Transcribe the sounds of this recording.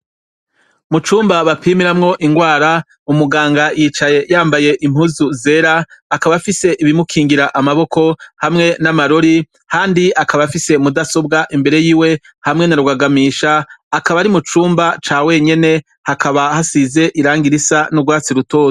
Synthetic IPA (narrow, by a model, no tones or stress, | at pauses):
mut͡ʃuːmbaβapʰiːmiɾamŋo̞ʔiŋɡwaːɾa | umuɡaːŋɡajit͡ʃaje̞jaːmbaje̞ʔim̥huzuze̞ɾaːkaβafise̞ʔiβimukʰiːŋɡiɾaʔamaβo̞ko̞hamŋe̞namaɾo̞ɾi | haːndiakaβafise̞mudaso̞bɡaʔimbe̞ɾe̞jiːwe̞ | hamŋe̞naɾuɡaɡamiːʃaːkaβaɾimut͡ʃuːmbat͡ʃaːwe̞ɲe̞ne̞ | hakʰaβahasize̞ʔiɾaːŋɡiɾisanuɡwaːt͡siɾuto̞ːzo